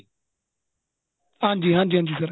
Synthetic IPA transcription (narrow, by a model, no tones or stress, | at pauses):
ãːnd͡ʒiːɦãnd͡ʒiːãːnd͡ʒisɐɾ